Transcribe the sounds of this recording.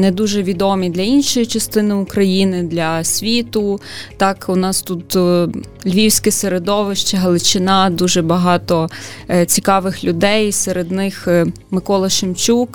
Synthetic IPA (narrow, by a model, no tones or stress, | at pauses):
nɛd̪uʒɛʋʲid̪ɔmʲid̪lʲɐinʃɔjit͡ʃɐst̪ɪnɪʊkɾɐjinɪd̪lʲɐsʲʋʲit̪ʊt̪ɑkʊnɑst̪ut̪ | lʲʋʲiwsʲkɪseɾed̪ɔʋɪʃt͡ʃɐɦɐlˠɪt͡ʃɪnɑd̪uʒɛbɐɦɑt̪ɔt͡sʲikɑʋɪxlʲʊd̪ɛjseɾed̪nɪx | mɪkɔlˠɐʃɪmt͡ʃuk